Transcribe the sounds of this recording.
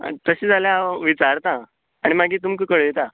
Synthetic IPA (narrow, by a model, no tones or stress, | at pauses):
t̪əɕiːd͡zaljaʋit͡saɾt̪ã | aɽ̃imaɡiːt̪umkəkəɭjet̪a